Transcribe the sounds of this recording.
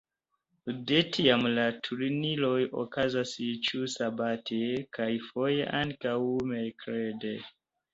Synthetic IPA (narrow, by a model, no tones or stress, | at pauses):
detʰiamlatʰuɾnilo̞jo̰kazast͡ʃusabatʰekajfo̞jḛʔaŋkawmelkɾede